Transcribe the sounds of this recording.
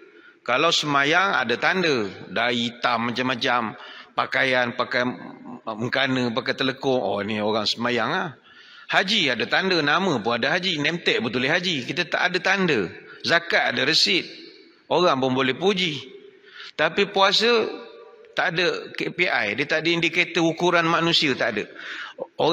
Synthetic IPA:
kalawsəmajaŋa̰dat̪andədait̪amːat͡ʃamːat͡ʃampakajanpaka | məŋkanəpakajt̪ələkʊŋʔo̰nioɣaŋsəmajaŋah | had͡ʒiadat̪andənamə̃pʊnadəɦad͡ʒinɛmt̪ɛʔbət̪ulɪɦad͡ʒikit̪ət̪a̰ʔadət̪andəzakaʔadəɾəsɪt̪̚ | oɣaŋpʊnbolɛhpud͡ʒi | t̪apipuasə | t̪aʔadəkepiʔa̰jdət̪aʔdəʔindiket̪əukuɾanmanusiət̪aʔdə | o

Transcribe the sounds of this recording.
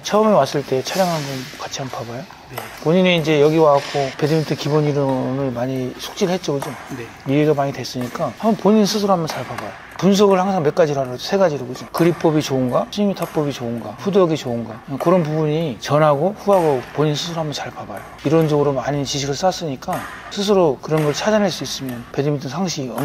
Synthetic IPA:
t͡ɕʰʌːmewas͈ɯɭt͈e̞t͡ɕʰaɾjaŋɦanbonkat͡ɕʰihampʰabajo | poɲiniind͡ʑe̞jʌɡiwaakʰope̞dɯmintʰɯkiboɲiɾɯmɯɭmaɲisʰu̥k̚t͡ɕ͈iɾɯɭhet͡ɕ͈ʌɡɯd͡ʑone | mieɡamaɲidwe̞s͈ɯɲik͈ahamʌnpoɲinsʰɯs̬ʰoɾoamjʌnt͡ɕaɭpabajo | puns̬ʰʌɡɯɭhaŋsʰaŋme̞k͈ad͡ʑiɾoɦaɾʌd͡ʑosʰe̞ɡad͡ʑiɾoɡɯd͡ʑokɯɾip͈ʌbit͡ɕounɡasʰiɲmitʰap͈ʌbit͡ɕounɡaɸudʌɡit͡ɕounɡakɯɾʌnp̬ubuɲit͡ɕʌnɦaɡoɸuɦaɡopoɲinsʰɯs̬ʰɯɾoɦamjʌnt͡ɕaɭpabajoiɾʌnd͡ʑʌɡɯɾomaɲint͡ɕiɕ̬ʰiɡɯɭs͈as͈ɯɲik͈a | sʰɯs̬ʰɯɾokɯɾʌnɡʌɭt͡ɕʰad͡ʑanɦaɭs͈uis͈ɯmjʌnpe̞dimintʰɯnsʰaŋɕʰiɡʌm

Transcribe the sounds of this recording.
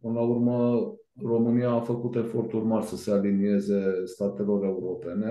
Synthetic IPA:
pɨnəlaurmə | ro̞mɨnijaːfəkut̪e̞fo̞rt̪urmarsəse̞alinie̞ze̞st̪at̪e̞lo̞ɾe̞uɾo̞pe̞ne̞

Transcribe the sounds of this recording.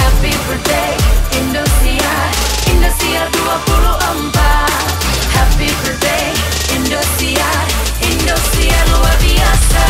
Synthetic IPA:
hɛpifədejindust̪ɾia | industiaduapuluʔəmpa | hɛpifədej | indust̪ɾia | indust̪ɾialuarbiasa

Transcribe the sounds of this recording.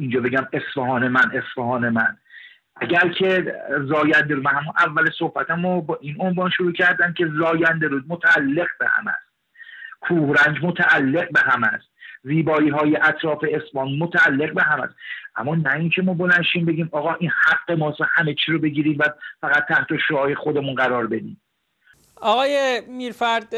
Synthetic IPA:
ind͡ʒɒːbe̞ɟæme̞sfeɦɒːnemænʔe̞sfɒɦɒːne̞mæn | ʔæɟæɾcʰe̞zɒːjænd̪e̞ɾuːmæhæmunʔævːæleso̞hbæt̪ʰæmobɒːʔinonvɒːnʃuɾuːcʰæɾd̪æmcʲʰe̞zɒːjænd̪e̞ɾuːd̪̚mot̪ʰæːlːe̞ɣbehæ̰mæ̰st̪̚ | kʰuːhɾænd͡ʒmot̪ʰæʔːlːe̞ɣ̚be̞ɦæmæst̪ziːbɒːiːɦɒːjeʔæt̪ʰɾɒːfe̞esbɒːnmot̪ʰæːlːe̞ɣbe̞ɦæmæ̰st̪ʔæ̰mːɒːnæincʰe̞mɒːbolænʃiːnbe̞ɟiːmɒːɣɒːʔinhæɡːe̞mɒːshæmet͡ʃʰiːɾobe̞ɟiːɾiːmvæfæɣæt̪ʰːæht̪o̞ʃoɒːjexod̪e̞munɢæɾɒːɾbe̞d̪ḭːm | ɒɣɒːjemiːɾfæɾd̪̥

